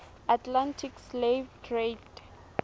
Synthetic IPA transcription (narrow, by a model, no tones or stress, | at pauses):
atʰlãntʰikslevtʰred